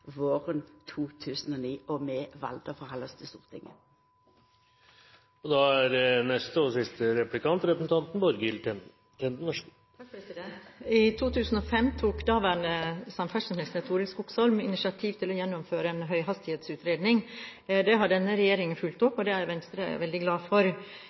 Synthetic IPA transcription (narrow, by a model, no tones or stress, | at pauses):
ʋoːʁənt̪ʰuːt̪ʰʉːsən̩ɔniːɔmeʋɑ̰ld̪əfɔhɑləst̪ʰəst̪ṵːʁt̪ʰɪŋə̰ | ɔd̪ɑæɾnɛst̪əɔsɪst̪əɾɛplɪkɑnt̪ɾɛpɾəsn̩t̪ɑnt̪nbɔɾɡɪl | t̪ʰɛnd̪nɔʂ | t̪ʰɑkfɾɛsɪd̪ɛɪt̪ʰuːt̪ʰʉːsn̩ɔfɛmt̪ʰuːkd̪ɑːʋæːɳəsɑmfæʂənəlsnɛt̪ʰuːɾɪskʊksɔlmɪnɪsɪɑt̪ʰiːʋt̪ʰɪlɔjɛnːɔmføːɾəɛnɦœʏɦɑst̪ɪheːt̪sʉːt̪ɾeːd̪nɪŋd̪ɛɦɑɖɛnːəɾɛjeːɾɪŋənfʉlt̪ɔpːɔd̪ɛæjʋɛnst̪ɾə̰ʋɛld̪ɪɡlɑːfɔɾ